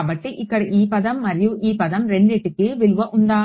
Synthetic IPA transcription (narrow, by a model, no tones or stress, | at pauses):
bɐʈːɯʔɪkːɐɽɯʔiːpɐðɐmːɐɾɪjuʔiːpɐðɐmɾɛɳɖeːʈːɯkːɯʋɪlɯʋɐʔʊnd̪aː